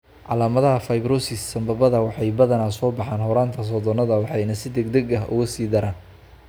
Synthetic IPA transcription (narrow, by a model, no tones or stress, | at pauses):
ʕɑ̰laːmɐðɐɦɐfɐjbɾɔsɪsːɐmbɐbɐðɐwɑħɑjbɐðɐnaːsɔːbɑħɑːnɦɔɾaːnt̪ʰɐs̬ɔːd̪ɔnɐðɐwɑħɑjnɐsɪd̪ɛɡd̪ɛɡɐɦʔʊ̰ɣɐsiːd̪ɐɾaːn